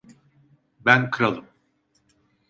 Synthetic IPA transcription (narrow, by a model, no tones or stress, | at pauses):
bænkʰɯɾalˠɯm